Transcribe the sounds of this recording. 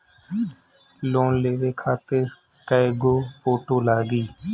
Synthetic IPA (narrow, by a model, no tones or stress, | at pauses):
loːnleːʋeːkʰaːt̪əɾ | kaeɡoːpoːʈoːlaːɡiː